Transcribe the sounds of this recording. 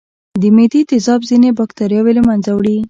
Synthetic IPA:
d̪əmed̪it̪ɪzɑbzinebɑkt̪aɾjɑweləmanzawɽi

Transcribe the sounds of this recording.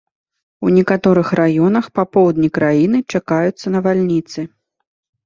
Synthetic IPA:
wnʲɛkat̪ɔɾɨxrajɔnɐxpapɔwd̪nʲikɾajinɨt͡ʂakajut̪sːɐnɐvalʲnʲit̪sɨ

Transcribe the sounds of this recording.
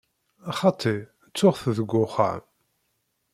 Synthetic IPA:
ɑχɑt̪ʰˤːi | t͡sːʊʁθðəɡʷːʊχa̰ʕm

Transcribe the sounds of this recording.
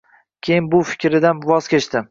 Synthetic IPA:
kʲʰejɪnbʊfɪ̥kʲɾɪd̪anvɒz̥kʲet͡ʃt̪ɪm

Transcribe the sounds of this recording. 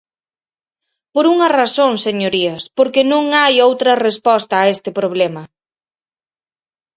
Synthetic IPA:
poɾuŋɐrasoŋseɲoɾiɐspoɾkenõŋajowt̪ɾɐrespɔst̪ɐːest̪ɪpɾoβ̞lɛmɐ

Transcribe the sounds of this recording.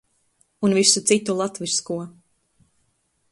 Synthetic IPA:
unvisut̪sit̪ulˠat̪viɾskuɔ

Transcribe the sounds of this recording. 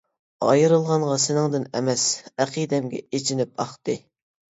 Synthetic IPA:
ɑjɨɾɨlˠʁɑɴʁɑsɪnɪŋd̪ɪnɛ̰mɛsæqʰijd̪ɛmɡʲɛ̰et͡ʃʰinɪp̚ɑχt̪ɨ

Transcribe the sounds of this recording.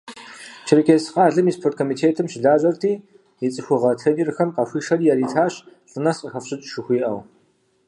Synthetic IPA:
t͡ʃʰɪrɨkʲʰeːsqɑːɮɨmiːspʰort̚kʰomiːtʰeːtʰɨmʃɮaːʑʼɐrtʰiː | jit͡sʼɨxʷʊʁɐtʰeniːrxɐmqɐxʷiːʃɐriːjɛriːtʰaːɕɕʷʼʊnɐsqʼəxɐfɕɨt͡ʃʼʃɪxʷiːʔɐ̰w

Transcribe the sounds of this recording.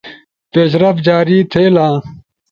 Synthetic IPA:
peːɕ̬ɾɐfd͡ʑaːɾiːt̪ʰeːlãː

